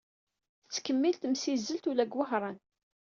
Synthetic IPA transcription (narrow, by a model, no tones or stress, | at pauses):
θət͡sːkəmːilt̪əmsizːəlt̪ulæɡwəhɾˤɑn